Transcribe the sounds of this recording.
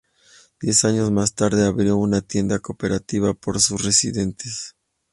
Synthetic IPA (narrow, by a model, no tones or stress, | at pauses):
d̪̥je̞saɲo̞zmast̪aɾðe̞aβɾjo̞unat̪je̞nd̪ako̞pe̞ɾat̪iβapo̞ɾsusre̞sḭðe̞nt̪es